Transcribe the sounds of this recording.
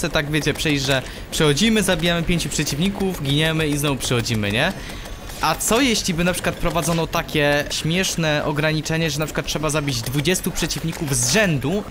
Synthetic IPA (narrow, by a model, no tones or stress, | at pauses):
ɛt̪aɡvʲjet͡ɕɛpʂɛjd͡ʑʐɛ | pʂɛxɔd͡ʑimɘzabʲijamɘpʲjeɲt͡ɕupʂɛt͡ɕivɲikuvɡʲiɲɛmɘiznɔvupʂɛxɔd͡ʑimɘ̰ɲɛ | ʔat̪sɔjɛɕlʲibɘnapʂɘ̥kwat̪̚pɾɔvad̪zɔnɔt̪akʲɛɕmʲjɛʂnɛʔɔɡɾaɲit͡ʂɛɲɛʐɛnapʂɘ̥kwat̪̚tʂɛbazabʲid͡ʑd̪vud͡ʑɛst̪upʂɛt͡ɕivɲikuvzʐɛnd̪u